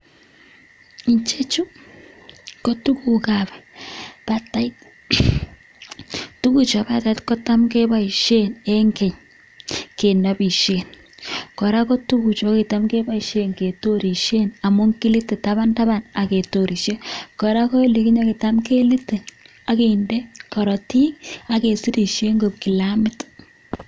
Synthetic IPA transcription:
i˨ɲt͡ʃe˦t͡ʃu˦ | ko˦tu˦ku˨ka˨bɛ˨pa˨ta˨i˦t̚ | tu˦ku˨t͡ʃɔ˨ba˨ta˨i˦tkɔ˦ta˦mke˦ba˦i˨ʃe˦ne˦ŋke˨ɲ | ke˨nɔ˨bi˨ʃe˨n | kɔ˨ɾa˦kɔ˦tu˦ku˨t͡ʃɔ˨˦ki˨ta˦mke˦ba˦i˨ʃe˦nke˨to˦ɾi˨ʃe˦na˨mʊ˦ŋki˦li˦te˨ta˦ba˦nta˦ba˨na˨ke˨to˨ɾi˨ʃe˦kɔ˨ɾa˦kɔ˦e˦li˨ki˦ɲɔ˦ki˨ta˦mke˦li˦te˨ | a˨ke˦i˨nde˦kɔ˨ɾɔ˨ti˦ka˨ke˨si˦ɾi˨ʃe˦ŋɡo˨p̚ki˨la˦mɪ˦t

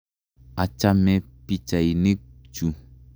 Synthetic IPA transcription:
a˨t͡ʃa˧mɛ̃˨pi˨t͡ʃa˨i˨nẽ˦t͡ʃu˨

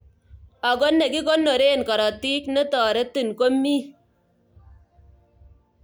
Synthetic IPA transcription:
a˨ɡo˦nːe˨ki˦ko˦nːo˨ɾe˦˨nkɔ˨ɾɔ˨ti˦knə˦tɔː˨ɾe˦tɨ˦˨nko˦mːi˦

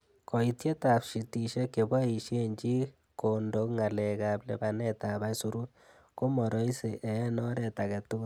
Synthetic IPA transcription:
kɔ˨i˦tje˦tapʃi˨tiʃe˦ke˨bɔ˦i˨ʃe˦ɲt͡ʃi˦ | kondokŋa˨lɛ˨kaplɛbanɛ˦taba˦suɾu˦t̚ | ko˦mɔ˨ɾo˦i˦se˨ʔɛ˦nɔ˦ɾɛ˨ta˨kɛ˨tu˦ɡ

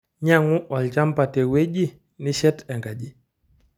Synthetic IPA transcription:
ɲa˦ŋu˦ʔɔ˨lt͡ʃa˦mpa˨tɛ˨we˦ɟi˦ | ni˦ʃɛ˦tɛ˨ŋɡa˨d͡ʒi˦

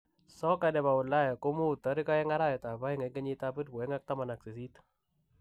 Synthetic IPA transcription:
sɔ˦ka˨dɛ˨ba˨ʊ˨la˦ja˨ko˦mu˦˨t̪ɔ˨˦ɾi˦ka˦ɛ˦ŋa˦ɾa˦jɔ˨ta˨ba˦jŋa˨kə˦ɲi˦ta˦pɨ˦t̚kwɛ˨˦ŋa˦k̚ta˦ma˨na˨k̚si˨s̬i˦t̪

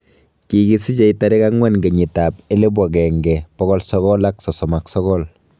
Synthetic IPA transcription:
ki˨ki˦si˦t͡ʃe˦ita˨ɾɛ˦ka˦ŋwɛ˦nɡe˨ɲi˨ta˨pe˦le˦b̬wa˨kɛ˨ŋɡɛpɔ˦ɣɔ˦lsɔkɔla˦ksɔ˨sɔ˨ma˨ksɔ˦kɔ˦l

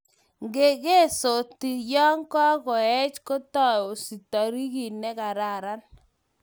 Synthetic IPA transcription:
ŋɡe˨ɣe˦˨so˨ti˨jɔ˦ŋkɔ˦kɔ˨ɛ˦t͡ʃko˦tɔ˦o˨si˨tɔ˨ɾi˦ki˨nɛ˦ka˨ɾa˨ɾa˦n

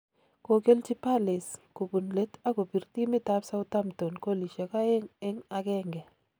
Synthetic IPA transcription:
ko˨ke˦lt͡ʃi˦pa˦lɪ˨sko˨bu˨nle˦ta˦ko˨pi˨rt̪i˦mɪ˦ta˦psa˦ʊ˦ta˦mto˨nko˦li˨ʃa˨ka˦ɪ˦ŋɪ˦ŋa˨kɛ˦ŋɡɛ˨

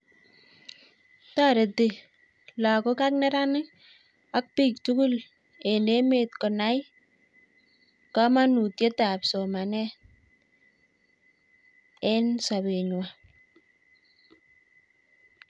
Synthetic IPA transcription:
ta˦ɾe˨te˨ | la˨ko˦ka˦k̚nɛ˦ɾa˦nɪ˦ | a˦k̚pi˦˨k̚tu˦ku˦l | e˨ne˦me˨t̚kɔ˨na˦j | ka˦ma˦nu˨tje˦ta˨pso˨ma˨nɛ˦ | e˦nsa˨be˨ɲwa˨

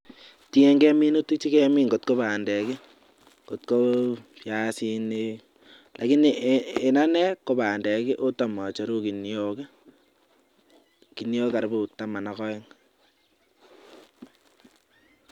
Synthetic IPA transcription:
ti˦ɛ˦ŋɡɛ˦mi˦no˦tu˦t͡ʃi˦kɛ˦mi˦ŋɡo˨t̚ko˦ba˨ndɛ˨ki˦ | ko˨t̚ko˦pja˦si˦ni˦ | lʔa˨ki˦nee˨na˦nɛ˦ko˦ba˨ndɛ˨ki˦ʔo˦ta˨mɔ˨t͡ʃo˨ɾu˦ki˨njo˨ke˦ | ki˨njo˦ka˨ɾbu˨ta˨ma˨na˨kɔ˦ɪ˦ŋ

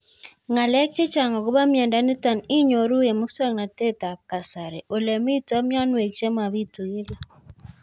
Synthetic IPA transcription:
ŋa˨lɛ˦k̚t͡ʃɪ˦t͡ʃa˨ŋɔ˨ɡʊ˦ba˦mjɛ˨nda˦ni˦ta˨nɪ˦ɲo˨ɾu˦e˨mʊ˦swɛ˦ŋna˨te˦ta˨p̚ka˨sa˨ɾe˨ʔo˨le˨mi˦tɔ˦mjɔ˦nwe˨k̚t͡ʃe˦ma˨βi˦tu˨e˦la˦

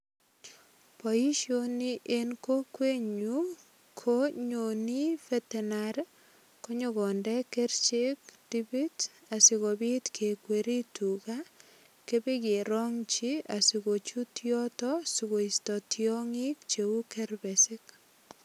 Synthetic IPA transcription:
pɔ˨i˦ʃjoniʔe˦nko˦kwe˦ɲu | kʰoɲo˨ni˦fɛtɛnaɾ | ko˦ɲoɣɔndɛ˦kɛ˦rt͡ʃek̚d̥ibi˦t | a˨si˨ɣobi˦tkʰe˨kweɾi˦tu˨ka | ke˦be˦ke˨ɾɔ˦ŋt͡ʃia˨si˨ɡo˨t͡ʃu˦tjɔtɔsiɣo˨istɔ˨tjɔ˦ŋi˦k̚t͡ʃe˨u˦kɛ˦ɾbɛsɪ˦k

